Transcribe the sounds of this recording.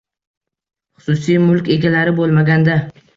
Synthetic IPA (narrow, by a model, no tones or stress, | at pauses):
χʊ̥sʊsijmʊlkʲe̞ɡʲalaɾɪbolˠmaɡʲand̪a